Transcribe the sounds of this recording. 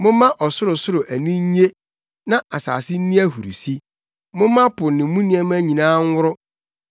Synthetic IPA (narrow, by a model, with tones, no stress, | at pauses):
mʊ̃˦mã˦ʔɔ˨sʊ˦ɾʊ˨sʊ˦ɾʊ˨ʔæ˨nĩ˦ɲ˦ɲ˦e˦ | nã˦ʔa˨sa̰ː˨sɪ˦n̩˦nĩ˦æ˦hu˨ɾṵ˨si˦ | mʊ̃˦mã˦pʊ˨nɪ̃˨˦mũ˦nĩ˦ɛ˦m˦æ̃˦ɲĩ˨nãː˦ŋ̩˦wʊ˦ɾʊ˦